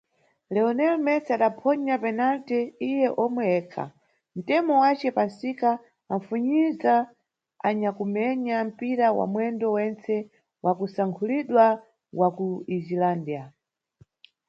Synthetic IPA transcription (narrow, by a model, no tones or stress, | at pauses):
lɛɔnɛlmɛsaɗapʰɔɲapɛnaltɛijɛʔɔmwɛɛːkʰa̰ | m̩tɛmɔwat͡ʃɛpansika | aɱ̩fuɲiza | aɲakumɛɲam̩piɾawa̰mwɛndɔwɛnt͡sɛ | wʔakusaŋkʰuliɗwa | wakuizilandia